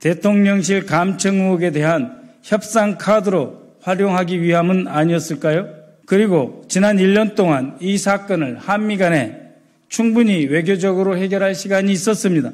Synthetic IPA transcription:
t̪e̞tʰoŋɲʌŋɕ̬ʰiɭkamt͡ɕʰʌŋːuʌɡe̞de̞ɦançjʌp̚s͈aŋkʰadɯɾo | ɸwaɾjoŋɦaɡiɥiɦamɯnaɲiʌs͈ɯɭk͈ajo | kɯɾiɡot͡ɕinaniʎːʌnt͈oŋanisʰak͈ʌnɯɭhamːiɡane̞̰ | t͡ɕʰuŋbuɲiwe̞ɡjod͡ʑʌɡɯɾohe̞ɡjʌɾɦaɭɕʰiɡaɲiːs͈ʌs͈ɯmɲida

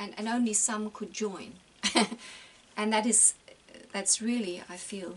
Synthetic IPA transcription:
ɨ̃nɨ̰̃nõʊ̃nlisʌ̃mkʰɨd̚d͡ʒɔ̃ɪ̃n | ʔɨ̃nðɨɾɨz̥ðætsɹɪlˠia̰ɪfilˠ

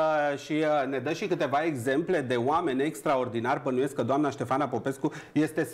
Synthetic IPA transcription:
ʃiəne̞d̪əʃikɨt̪e̞vae̞ɡze̞mple̞d̪e̞oame̞nʲekst̪ɾao̞rd̪inarbənuje̞skːəd̪oamnaʃt̪e̞fanapo̞pe̞skuje̞st̪e̞

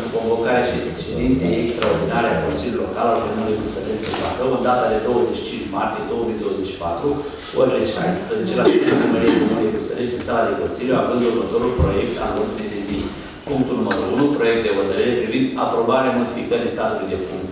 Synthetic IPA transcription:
uko̞ɱvo̞kaɾeaʃi | ʃed̪int̪seekst̪ɾaord̪inaɾeakõ̞̰nsilʲjuljilo̞kalalemulujvirsəleʃd̪insa̰t̪əwɨnd̪at̪ad̪e̞d̪o̞wəzeʃi̥t͡ʃʰint͡ʃmart̪ije̞d̪o̞wəmijd̪o̞wəze̞t͡ʃʃi̥pat̪ɾu | oɾeleʃa̰jspɾəze̞t͡ʃe̞lasanumeɾienimulujvirsəleʃd̪insalad̪e̞ko̞nsiljuavɨnd̪urmət̪o̞ɾulpɾo̞je̞k̚t̪a̰lot̪ulejd̪e̞zi | puŋk̚t̪ulnuməɾounupɾo̞je̞k̚t̪̚d̪e̞vət̪əɾiɾepɾivind̪a̰pɾo̞baɾeamo̞d̪ifikəɾist̪at̪ulujd̪e̞fuŋkt̪s

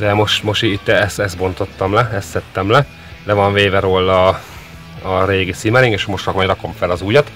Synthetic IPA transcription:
d̪ɛmo̞ʃt̪mo̞ʃit̪ːɛɛsɛs̚bo̞nt̪o̞t̪ːɒmlɛɛst̪sɛt̪ːɛmlɛ | d̪ɛvɒɱveːvɛɾoːlːɒː | ɾeːɡisimɛɾiŋkeːʃmoʃtrɒkmɒjrɒko̞ɱfɛlɒzuːjɒt̪

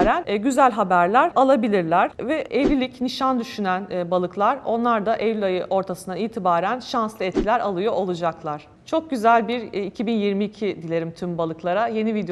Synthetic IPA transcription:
ɾænɟyzælʲɦabæɾlʲæɾalˠabilʲiɾlʲæɾ̥vɛʔevʲilʲicniʃand̪yʃynænːbalˠɯklˠaɾo̞nlˠaɾd̪aʔevilʲajɯʔo̞ɾt̪ʰasɯnd̪aiːt̪ʰibaːɾænʃanslˠɯɛt̪̚cʰʲilʲæɾalˠɯjoʔolˠud͡ʒaklˠaɾ̥ | t͡ʃʰo̞k̚ɟyzælʲbiɾicʰibinjiɾmiːcʰid̪ilʲe̞ɾimt̪ʰymbalˠɯklˠaɾaje̞nivid̪e

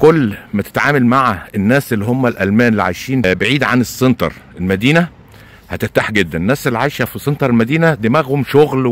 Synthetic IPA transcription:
kolːmæt̪e̥t̪ʕaːmælmaʕæenːæːsʔelːiɦomːælʔælmæːnelːiʕa̰jʃiːnbeʕiːd̪ʕanesːent̪ɑ̰ɾˤelmæd̪iːnæ | hæt̪eft̪aħɡed̪ːænenːæːsʔelːiʕajʃæfisˤent̪ˤɑɾˤelmæd̪iːnæd̪imæɣhomʃoɣl

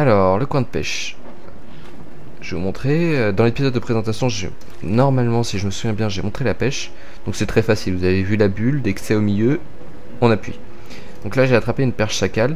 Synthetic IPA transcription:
alɔʁləkwɛ̃d̪əpɛ̰ʃ | ʒ̥evumɔ̃t̪χeød̪ɑ̃lepizɔd̪ːəpχezɑ̃t̪asjɔ̃ʒḛ | nɔʁmalmɑ̃siʒəməsuvjɛ̃bjɛ̃ʒemɔ̃t̪χelapɛʃ | d̪̥ɔ̃ksɛt̪χɛfasilvuzavevylabyld̪ɛksɛomiljø | ɑ̃napɥḭ | d̪̥ɔ̃klaʒeat̪χapeynpɛʁʃsakal

